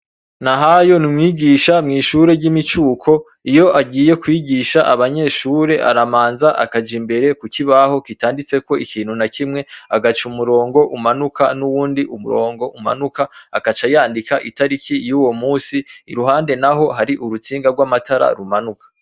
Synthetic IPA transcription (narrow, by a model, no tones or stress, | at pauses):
naɦajo̞nimŋiːɡiːʃamŋiːʃuɾe̞ɾɟimit͡ʃuːkʰo̞ | ijo̞ʔaɡiːje̞kwiːɡiːʃaʔaβaɲe̞ʃuːɾe̞ʔa̰ɾamaːnzaʔa̰kad͡ʒimbe̞ɾe̞kukiβaho̞kitaːndit͡se̞ko̞ʔikiːn̥hunakimŋe̞aɡat͡ʃumuɾo̞ːŋɡo̞ʔumanukʰanuwuːndiʔumuɾo̞ːŋɡo̞ʔuma̰nukaːkat͡ʃajaːndikaʔitaɾikijuːwo̞muːsiːɾuɦaːnde̞naɦo̞ɦaɾiʔuɾut͡siːŋɡaɾɡwaːmatʰaɾa̰ɾumanukḁ